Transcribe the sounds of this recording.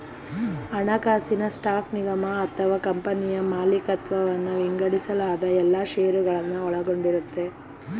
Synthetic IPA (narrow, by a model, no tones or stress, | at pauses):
ɐɳɐkaːsinɐsʈaːkniɡɐmɐːt̪ʰɐʋaːkɐmpɐnijɐmaːlikɐt̪ʋɐʋɐnːuʋiŋɡɐɽisɐlaːd̪ɐɛlːaːʃeːɾuɡɐɭɐnːuɔɭɐɡo̞ɳɖiɾut̪ːe̞